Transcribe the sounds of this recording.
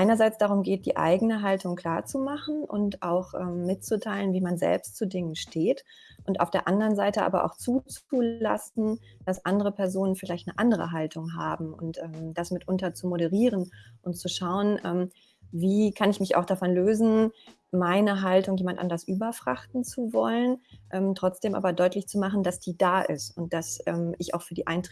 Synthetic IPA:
ʔaɪnɐzaɪt͡sd̥aʁ̞ʊmɡeːt̚d̥ḭːʔa̰ɪɡənəɦaltʊŋkʰl̥aːɐt͡sumaχn̩ʔʊ̰ntʔa̰ʊxʔɛːmːɪt̚t͡sutʰaɪlənviːmanzɛ̰lpstt͡sudɪŋənʃtʰeːt | ʔʊntʔa̰ʊfd̥eːɐʔandəʁənzaɪtəʔa̰ːbɐ̰ʔa̰ʊxt͡suːt͡sula̰sn̩ | d̥asʔandəʁəpʰɛɐzoːnənfɪlaɪçtnəʔandəʁə̰ɦaltʰʊŋɦa̰ːbm̩ʊ̰ntʔɛːmd̥asmɪtʔʊntɐt͡sumoɾəʁiːʁənʔʊntt͡suʃaʊənʔɛːm | viːkʰanɪçmɪça̰ʊxd̥afɔnløːzn̩ | maɪnəɦaltʊŋjeːmantʔa̰ndɐsʔyːbɐfʁ̥a̰χtn̩t͡suvɔ̰lənʔɛːmtʁ̥ɔt͡sd̥eːmʔa̰ːbɐdɔʏtlɪçt͡sumaχn̩dasd̥iːdaːʔɪ̰stʊnt̚d̥asʔɛːmɪça̰ʊxfyːɐdiːʔaɪnt

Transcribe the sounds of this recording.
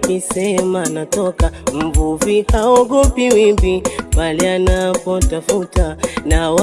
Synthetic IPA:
kisɛmanatɔkam̩vuvikaɔɡɔpiwimbimbalianapɔtafutanawa

